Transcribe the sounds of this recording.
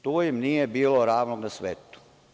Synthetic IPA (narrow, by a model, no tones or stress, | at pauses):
t̪oːjimnijebiːloɾaːʋnoɡnasʋeːt̪u̥